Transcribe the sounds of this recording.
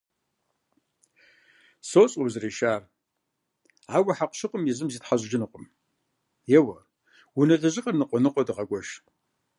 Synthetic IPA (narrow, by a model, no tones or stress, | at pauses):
soːt͡sʼobzɨriːʃaːr | aːwɐħaqʷʃɨqʷʼʊmjizɨmziːtħaʑʷd͡ʒɪnɨqʷʼʊm | jɛwɐ | wunɐɮɐʑɪqʼɐrnɨqʷʼɔnɨqʷʼɔdɨʁɐɡʷɔʃ